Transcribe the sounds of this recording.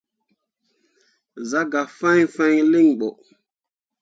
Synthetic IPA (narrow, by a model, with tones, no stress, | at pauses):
za˦ɡa˨fã˦ɲfa˦ɲli˦˨ŋɓo˨ʔ